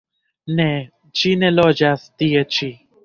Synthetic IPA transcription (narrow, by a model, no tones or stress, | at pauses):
nɛ | t͡ʃinɛlɔd͡ʒast̪iet͡ʃi